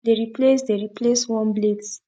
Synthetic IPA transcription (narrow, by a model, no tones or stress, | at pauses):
deɾiplesdeɾipleswɔ̃nbleds